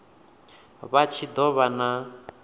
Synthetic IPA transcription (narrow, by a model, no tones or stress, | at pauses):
βat͡ʃʰid̪ɔβana